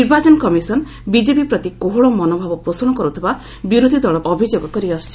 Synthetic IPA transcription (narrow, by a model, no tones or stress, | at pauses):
iɾbat͡ʃɔnɔkɔmisɔn | bid͡ʒepipɾɔt̪ikoɦɔɭɔmɔnobʱabɔpɾosɔɽ̃ɔkɔɾut̪ʰiba | buɾod̪ʱid̪ɔɭɔpɔbʱid͡ʒoɡɔkɔɾiɔst͡ʃʰi